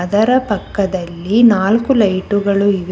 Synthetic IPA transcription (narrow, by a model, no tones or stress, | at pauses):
ɐd̪ɐɾɐpɐkːɐd̪ɐlːinaːlkulɐjʈuɡɐɭuiʋ